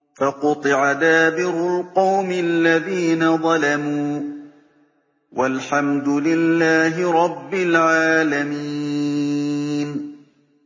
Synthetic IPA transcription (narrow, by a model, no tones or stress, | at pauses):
faqʊt̪ˤɨʕad̪aːbɪɾʊlqɑwmɪallːaðiːnaðˤɑlamuː | wʔalħamd̪ʊlɪlːaːɦɪɾˤɑbːɪlʕaːlamiː | n